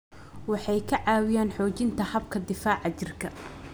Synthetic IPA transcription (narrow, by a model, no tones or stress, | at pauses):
wɑħɑjkʰɐʕɑːwɪjaːnħɔːt͡ʃɪnt̪ʰɐhɐbkʰɐd̪ɪfaːʕɑt͡ʃɪrkʰɐ